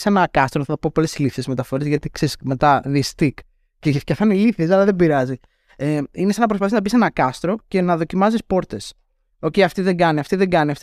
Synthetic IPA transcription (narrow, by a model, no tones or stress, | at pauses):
senɐkɐst̪ɾoɐθɐt̪opo̞po̞lesiliθezmet̪ɐfo̞ɾezʝɐt̪iksesme̞t̪ɐðist̪ik | cefcɐfɐniliθies̬ɐlɐðebiɾɐzi | einesɐnɐp̬ɾospɐθisnɐbisenɐkɐst̪ɾo̞ce̞nɐðo̞cimɐzispo̞ɾt̪e̞s | o̞ceiɐft̪iðe̞ŋɡɐniɐft̪iðeŋɡɐniɐft̪